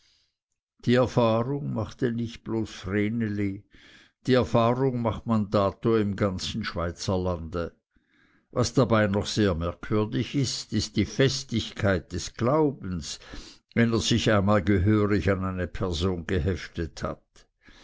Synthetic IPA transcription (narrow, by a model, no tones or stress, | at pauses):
d̥iːɛɐfaːʁʊŋmaχtenɪçt̚b̥loːsfʁeːneli | d̥iːɛɐfaːʁʊŋmaχtmandaːtoɪmɡant͡sn̩ʃv̥aɪt͡sɐlandə | vasd̥abaɪnɔχseːɐmɛɐkʰv̥ʏɐdɪçɪstɪst̚d̥iːfɛstɪçkʰaɪt̚d̥ɛsɡ̥laʊbn̩s | vɛneːɐz̥ɪçaɪnmaːlɡəɦøːʁɪçanaɪnəpʰɛɐzoːnɡəɦɛftətha̰t